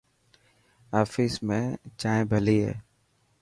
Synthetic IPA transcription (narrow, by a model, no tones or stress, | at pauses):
aːfɪsmẽt͡ʃaːẽbʱəliɦɛ̰ː